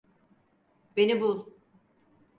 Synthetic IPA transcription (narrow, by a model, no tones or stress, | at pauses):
benibulˠu